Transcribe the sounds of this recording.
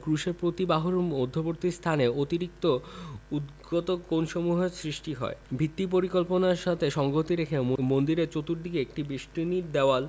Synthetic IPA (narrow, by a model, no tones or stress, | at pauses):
kɾuʃeɾpɾot̪ibaɦoɾod̪ʱːopoɾt̪ist̪ʰaneot̪iɾik̚t̪oud̪ɡot̪okonʃomuɦesɾiʃʈiɦɔ̰ebʱit̪ːip̬oɾikolponaɾʃat̪ʰeʃɔŋɡot̪iɾekʰemmond̪iɾet͡ɕot̪uɾd̪ikeek̚ʈibiʃʈɾinid̪ɛoal